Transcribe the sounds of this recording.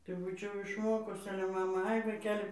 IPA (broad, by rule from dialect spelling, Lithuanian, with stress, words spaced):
tɐɪ ˈbuːt͡ʃʲɛʊ ɪʃˈmoːkʊs ˈɑːlʲɛ ˈmɑːmɐ ˈɐɪ ʋɐɪˈkʲæːlʲɪ